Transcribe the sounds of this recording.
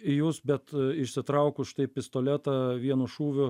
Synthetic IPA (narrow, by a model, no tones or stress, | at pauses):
ɪjuːsbʲɛt̪ɪʃʲsʲɪt̪ɾɐʊkʊʃʲɪ̥t̪ɐɪpʲɪst̪oːlʲæt̪ɐʋʲiɛnʊʃuːʋʲʊ